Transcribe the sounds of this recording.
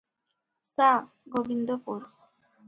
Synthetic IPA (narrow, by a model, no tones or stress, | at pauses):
sa | ɡobind̪ɔpuɾχ